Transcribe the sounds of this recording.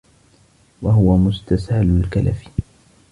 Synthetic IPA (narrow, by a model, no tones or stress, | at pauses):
waɦʊwamʊst̪ashalʊlkalafi̥